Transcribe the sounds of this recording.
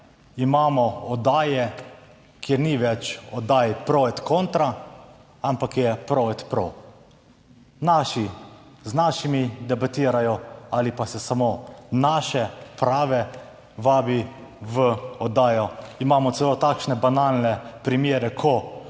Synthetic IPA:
imaːmɔɔd̪aːjɛ | kʰjeɾniʋɛt͡ʃɔd̪aːjpɾoɛt̪koːnt̪ɾa | ampakjɛpɾoɛt̪pɾo | naʃi | znaːʃimid̪ɛbat̪iːɾajɔalipasɛsamoːnaːʃɛpɾaːʋɛ | ʋaːbiʋəɔd̪aːjɔimaːmɔt̪sɛlot̪aːkʃnɛbanaːlnɛpɾimjeːɾɛkʰɔ

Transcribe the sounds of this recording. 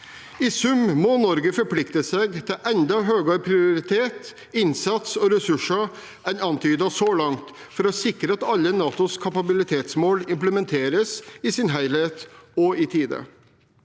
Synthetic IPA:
ɪsʉmmɔnɔɾɡəfɔɾpʰlɪkt̪əseɡt̪ʰɪlʔɛnd̪ɑɦøːɡɑɾpʰɾɪʊɾɪt̪ʰeːt̪ | ɪnsɑt̪sɔɾɛsʉʂɑ | ænɑnt̪ʰyːd̪ɑsɔːlɑŋt̪ | fɔɾɔsɪkɾəɑt̪ɑlːənɑːt̪ʊskʰɑpɑbɪlɪt̪ʰeːt̪smoːlɪmpləmɛnt̪ʰeːɾəsɪsɪnɦæɪleːt̪ɔɪt̪ʰiːd̪ə̰

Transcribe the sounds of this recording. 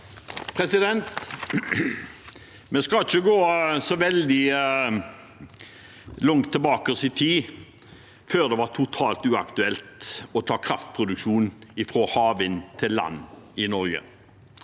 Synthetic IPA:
pʰɾɛsɪd̪ɛnt̪ | mɛskɑt͡ʃːəɡoːsɔʋɛld̪ɪ | lɔŋt̪ʰːɛlbɑːkəʁsɪt̪ʰiː | føːʁd̪ɛʋɑʁt̪ʰʊt̪ʰɑːlt̪ʉːɑkt̪ʉɛlt̪ɔt̪ʰɑːkʰɾɑft̪̚pʰʁʊd̪ʉkʃuːnɪfʁoːhɑːʋɪnt̪ʰɪlːɑ̰nːɪnɔɾɡə̰

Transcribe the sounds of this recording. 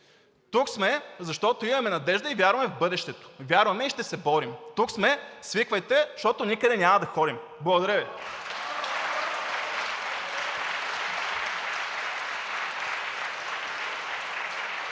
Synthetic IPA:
t̪uksmɛzɐʃt̪ɔt̪oimɐmɛnɐd̪ɛʒd̪əivʲjaɾvɐmɛvbɤd̪ɛʃt̪ɛt̪o̥vʲjaɾvɐmɛiʃt̪ɛsɛbɔɾimt̪uksmɛsvikvəjt̪ɛʃt̪ɔt̪onʲikəd̪ɛnʲamɐd̪ɐxɔd̪im | blˠɐɡod̪ɐɾɛvi

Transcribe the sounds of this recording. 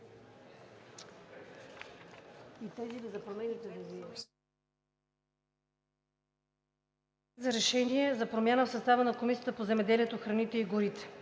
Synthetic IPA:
it̪ɛzilizɐpɾomɛnit̪ɛd̪ɛvi | zɐɾɛʃɛniɛzɐpɾomʲjanəfsɐst̪avənɐkomisijət̪əpozɛmɛd̪ɛliɛt̪oxɾɐnit̪ɛiɡʊɾit̪ɛ̥

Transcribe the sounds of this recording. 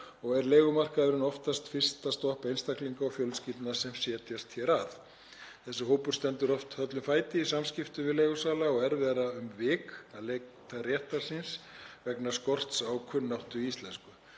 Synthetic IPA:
ɔɣɛɾleːɣʏmar̥kaðʏɾɪnɔft̪ast̪fɪr̥st̪ast̪ɔhpejnst̪akliŋkaɔfjœlsciːt̪nasɛmsjɛːt̪jast̪çɛɾaθ | θɛsːɪɦoːwpʏɾ̥st̪ɛnt̪ʏɾɔft̪hœt̪lʏmfaːjt̪ɪisamscɪft̪ʏvɪðleːɣʏsaːlaɔɣɛɾvɛːɾaʏmvɪːkalet̪ʰarjɛht̪aɾ̥sɪnsvɛknḁskɔr̥t̪sawkʰʏnːawht̪ʏist̪lɛnskʏ

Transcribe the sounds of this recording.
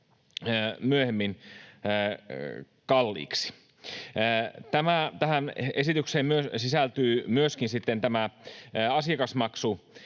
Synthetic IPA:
əmyøhemːinː | kɑlːḭːksi̥ː | t̪æmæt̪æhænesit̪ykseːmmyøsisælt̪yːmyøskinsit̪ːent̪æmæ | ɑsiɑkɑsmɑksu

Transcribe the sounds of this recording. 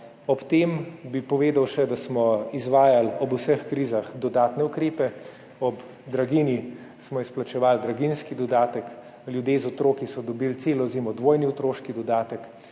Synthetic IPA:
ɔpt̪eːmbipɔʋeːd̪awʃɛd̪asmɔizʋaːjalɔbusəxkɾiːzaxd̪ɔd̪aːt̪nɛukɾeːpɛ | ɔb | d̪ɾaɡini | smɔisplat͡ʃɛʋaːld̪ɾaɡinskid̪ɔd̪aːt̪ək | ljud̪jeːzɔt̪ɾoːkisɔd̪ɔbilt̪seːlɔzeːmɔd̪ʋoːjniɔt̪ɾoːʃkid̪ɔd̪aːt̪ək

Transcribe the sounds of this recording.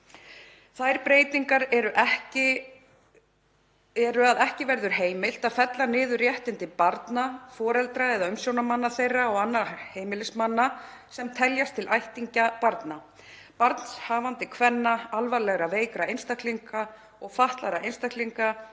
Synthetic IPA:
θajɾpɾeːjt̪iŋkaɾɛɾʏʔɛhcɪ | ɛɾʏaðɛhcɪvɛɾðʏɾ̥ɦeːjmɪl̥t̪aðfɛt̪lanɪːðʏrjɛht̪ɪnt̪ɪpaɾt̪nafɔːɾɛlt̪ɾaɛðaʏmsjownamanːaθejrːaɔɣanːaɾheːjmɪlɪsmanːasɛmt̪ʰɛljast̪ʰɪlʔajht̪iɲcapaɾt̪na | paɾt̪n̥shaːvant̪ɪkʰvɛnːaalvalɛɣɾaveːjkɾaejnst̪akliŋka | ɔɣfaht̪laɾaejnst̪akliŋka

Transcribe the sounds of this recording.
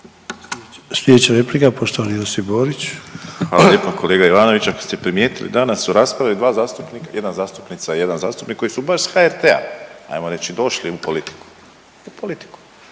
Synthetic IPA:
slʲed̪et͡ɕaɾeplikapo̞ʃt̪oʋaniosiboːɾit͡ɕxʋaːlaljeːpokʰole̞ːɡaiʋaːnoʋit͡ɕakost̪epɾimje̞ːt̪ilḭd̪anasːuɾaːspɾaalid̪ʋaːzaːst̪upnikajed̪nazaːst̪u̥pnit̪sajed̪anzaːst̪u̥pnikːo̞jisubaʃsxaeɾt̪ea̰a̰jmo̞ɾe̞t͡ɕid̪o̞ʃliupolit̪i̥ku̥ | upolit̪i̥ku̥

